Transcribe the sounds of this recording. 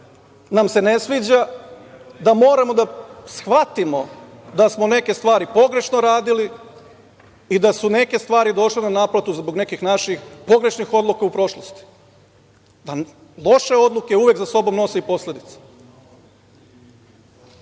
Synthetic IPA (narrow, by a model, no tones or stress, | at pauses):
namse̞nesʋiːd͡ʑa | d̪amo̞ːɾamo̞d̪asxʋat̪imo̞d̪asmo̞ne̞ke̞st̪ʋaːɾipo̞ɡɾe̞ʃnoɾaːd̪ili | id̪asune̞ke̞st̪ʋaːɾid̪o̞ʃlenanaːplˠat̪uzbo̞ɡne̞kixnaʃixpo̞ɡɾe̞ʃnixo̞d̪lˠukaupɾo̞ʃlˠost̪i̥ | d̪a | lˠo̞ʃe̞o̞d̪lukeuːʋje̞kzaso̞bo̞mno̞seipo̞slʎʲe̞d̪it̪sḁ